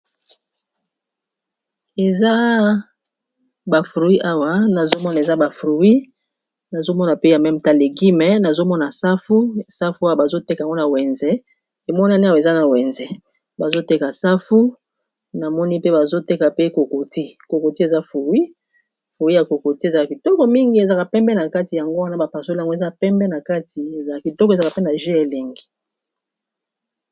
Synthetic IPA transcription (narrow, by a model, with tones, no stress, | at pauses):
e˨za˦ | ba˨fʁu˨wi˦ʔa˦wa˨˦na˨zo˦mɔ˦n˨e˨za˦ba˨fʁu˨wi˦ | na˨zo˦mɔ˦na˨pe˦ja˨mɛ˦m˨ta˨le˨ɡi˦mɛ˨˦na˨zo˦mɔ˦na˨sa˦fu˦˨sa˦fu˦a˦wa˨ba˨zo˦te˦kŋɡo˦na˨wɛ˨nzɛ˨ | e˨mɔ˦n˦a˦ni˦a˦wa˨e˨za˦na˨wɛ˨nzɛ˨ | ba˨zo˦te˦ka˨sa˦fu˦ | na˨mɔ˦ni˦pe˦ba˨zo˦te˦ka˨pe˦ko˨ko˨ti˦ko˨ko˨ti˦e˨za˦fu˨wi˦ | fo˨wi˦ja˨ko˨ko˨ti˦e˨za˨a˨ki˨tɔ˦kɔ˦mi˦ŋɡi˦e˨za˨ka˨pɛ˦mbɛ˦na˨ka˦ti˨ja˨ŋɡo˦wa˦na˦ba˨pa˨so˦lŋɡo˦e˨za˦pɛ˦mbɛ˦na˨ka˦tʰi˨e˨za˨a˨ki˨tɔ˦k̬ɔ˨za˨ka˨pe˦na˨ʒe˦e˨le˨ŋɡi˨